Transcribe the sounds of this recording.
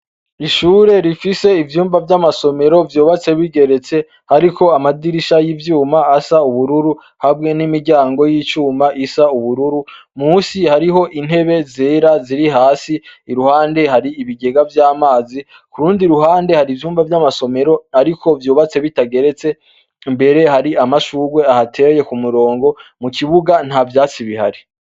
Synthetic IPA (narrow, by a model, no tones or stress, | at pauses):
iʃuːɾe̞ɾifise̞ivjuːmvavjamaso̞me̞ɾo̞vjuːβat͡se̞βiɡe̞ɾe̞t͡se̞ | haɾiko̞amadiɾiʃajivjuːmaːsauβuɾuɾu | habŋe̞nimiɾɟaːŋɡo̞jit͡ʃuːmaʔisauβuɾuɾumuːsihaɾiɦo̞ʔin̥he̞βe̞zeːɾaziɾiɦaːsiːɾuhaːnde̞ɦaɾiiβiɡe̞ɡavjaːmaːzi | kuɾuːndiɾuɦaːnde̞haɾivjuːmvavjamaso̞me̞ɾo̞aɾiko̞vjuːβat͡se̞βitaɡe̞ɾe̞t͡se̞ | mbe̞ɾe̞haɾiamaʃuːɡwe̞ahatʰe̞je̞kumuɾo̞ːŋɡo̞mukiβuɡan̥havjaːt͡siβihaɾi